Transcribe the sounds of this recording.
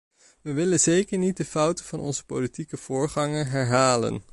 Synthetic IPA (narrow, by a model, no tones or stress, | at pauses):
ʋəʋɪlənzejkəɹnit̚dəfʌwtəvɑnɔ̰nzə̥powlitikəv̥ʊːɹχɑŋənɦɛɹɦaːlə̰n